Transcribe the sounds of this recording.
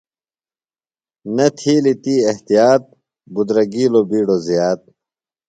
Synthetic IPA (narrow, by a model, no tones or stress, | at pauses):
nɐt̪ʰiːlit̪iːɐht̪ijaːt̪̚ | bud̪ɾɐɡiːlobiːɽozijaːt̪̚